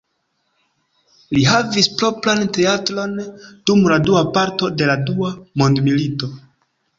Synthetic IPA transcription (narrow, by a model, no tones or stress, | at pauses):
liɦavispɾo̞pɾante̞atɾo̞nd̥umladuapaɾto̞de̞laduamondmilito̞